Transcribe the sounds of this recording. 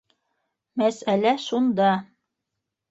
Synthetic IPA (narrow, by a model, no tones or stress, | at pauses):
mæsælæʃund̪ɑ